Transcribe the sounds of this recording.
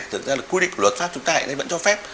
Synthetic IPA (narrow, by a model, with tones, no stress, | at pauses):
t̪ɨ˨˩zaː˧˨˩kwi˧ḭ̈˧˨ku˨˩wə˨˩t̚faː˦˥p̚t͡ɕʊ˨˦ŋ͡mt̪aː˧a̰˨na˧˩jvə̰˧˥nt͡ɕɔ˧fɛ˦˥p̚